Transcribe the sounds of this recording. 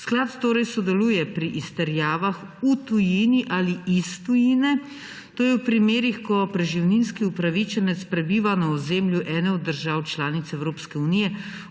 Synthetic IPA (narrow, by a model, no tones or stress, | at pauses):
sklat̪t̪oːɾɛjsɔd̪ɛluːjɛpɾiʔist̪ɛɾjaːʋax | ut̪ujiniʔaliist̪ujinɛ | t̪oːjɛwpɾimeːɾixkɔpɾɛʒiwninskiupɾaʋit͡ʃɛnɛt̪spɾɛbiːʋanaɔzeːmljuʔɛːnɛɔd̪ːəɾʒaːwt͡ʃlaːnit̪sɛwɾoːpskɛunijɛ